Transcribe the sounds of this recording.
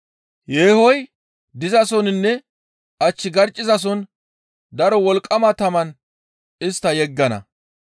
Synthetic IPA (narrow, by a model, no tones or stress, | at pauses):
jeːhɔj | d̪ɪzɐsɔnɪnːɛ | ʔɐt͡ʃːɪɡɐɾt͡ʃʼːɪzɐs̬ɔn | d̪ɐɾɔwɔlkʼːɐmɐt̪ɐmɐn | ɪst̪ːɐjɛɡːɐnɐ̰